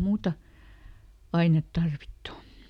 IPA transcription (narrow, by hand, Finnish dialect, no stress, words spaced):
muːtɑ ɑinet tɑrʋitːu